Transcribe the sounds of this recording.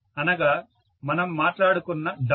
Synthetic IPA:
ɐnɐɡaː | mɐnɐmːaːʈlaːɽukunːɐɖ̪ɐ

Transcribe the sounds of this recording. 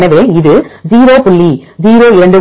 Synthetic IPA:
nɐʋeːɪðɯziːɾoːpʊɭːid͡ʒiːɾoːɪɾɐɳɖɯ

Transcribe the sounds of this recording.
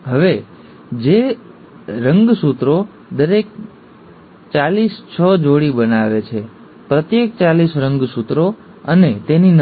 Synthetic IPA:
ɦəʋe | d͡ʒe | ɾəŋɡsut̪ɾo | d̪əɾek̚ | t͡ʃalist͡ʃʰəd͡ʒoɽibənaʋet͡ʃʰe | pɾət̪jek̚t͡ʃalisɾəŋɡsut̪ɾo | ənet̪enin

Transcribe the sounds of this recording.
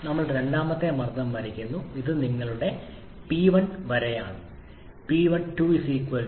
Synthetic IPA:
nɐmːɐɭuɽeɾe̞ɳɖaːmɐt̪ːemɐrd̪ɐmʋɐɾikʲːunːuiðɨniŋːɐɭuɽe̞ | piːʋɐnʋɐɾɐjaːɳɨ | piːʋɐnʈuʋisiːkʋɐl

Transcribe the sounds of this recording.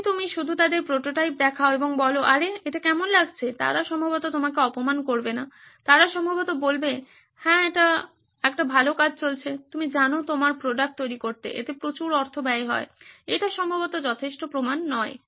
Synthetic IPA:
t̪umiʃud̪ʱut̪ad̪eɾpɾoʈoʈajp̚d̪ɛkʰaoeboŋbɔloʔaɾeeʈakɛmonlaɡt͡ɕʰet̪a̰ɾaʃɔmbʱabot̪ot̪omakeɔpomankoɾbena | t̪aɾaʃɔmbʱabot̪obolbe | hɛ̃eʈa | ɛk̚ʈabʱalokad͡ʑʱt͡ɕolt͡ɕʰet̪umid͡ʑanot̪omaɾpɾoɖak̚ʈ̚t̪ojɾikoɾt̪ḛʔḛt̪epɾot͡ɕuɾɔɾt̪ʰobɛeɦɔ̰eejʈaʃɔmbʱabot̪od͡ʑɔt̪ʰeʃʈopɾomanːɔe

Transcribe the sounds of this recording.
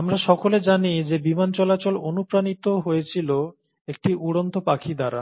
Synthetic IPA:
amɾaʃɔkoled͡ʑanid͡ʑebimant͡ɕɔlat͡ɕolonupɾanit̪oɦojet͡ɕʰilo | ek̚ʈiʔuɽont̪opakʰid̪aɾa̰

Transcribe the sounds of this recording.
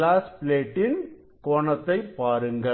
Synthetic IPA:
laːspleːʈːɪn | koːɳɐt̪ːɐɪpːaːɾɯŋɡɐ

